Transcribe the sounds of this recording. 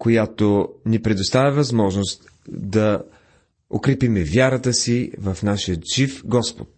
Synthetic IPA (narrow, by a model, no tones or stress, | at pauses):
kojat̪onipɾɛd̪ost̪avʲɐvɐzmɔʒnost̪ | d̪ɐ | o̰kɾɛpimɛvʲjaɾət̪əsivəfnaʃiət̪ʒifɡɔspo̰t̪̚